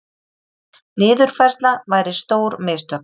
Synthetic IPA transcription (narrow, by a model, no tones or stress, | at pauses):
nɪːðʏɾ̥fɛrst̪lavaːjɾɪst̪oːwɾmɪːst̪œ